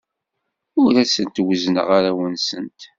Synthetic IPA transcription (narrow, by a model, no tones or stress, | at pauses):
ʊɾæsənt̪wəznə̰ʁaɾæwənsənt̪